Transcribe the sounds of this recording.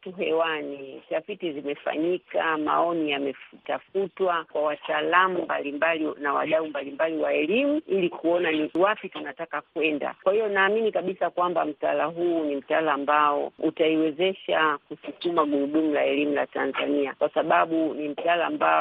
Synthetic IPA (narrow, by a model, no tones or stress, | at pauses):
tuɦɛwanitafitizimɛfa̰ɲikama̰ɔnijamɛfutafutwakwawataːlamumbalimbalinawa̰ɗaumbalimbaliwaɛlimuilikuɔnaiwapitunatakakwɛnda̰kwahijɔnaːminikaɓisakwambam̩talaɦuːnim̩talaːmbaɔ̰utaiwɛzɛʃakusukumaɡuɗumulaɛlimulatanzaniakwasaɓaɓunim̩talaːmba̰